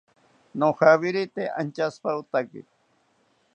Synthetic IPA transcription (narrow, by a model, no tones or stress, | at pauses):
noxaβɪɾɪt̪ea̰nt͡ʃaspaʊt̪akɪ̰